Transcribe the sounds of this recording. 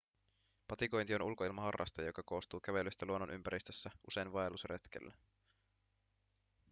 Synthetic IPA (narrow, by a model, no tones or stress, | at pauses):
pɑt̪iko̞jnt̪io̞nulkoilmɑhɑrːɑ̰st̪ɑjo̞kɑko̞ːst̪uːkæʋe̞lyst̪æluonːo̞nʔympæɾist̪øsːæʔuse̞jnʋɑelusret̪kḛlːæ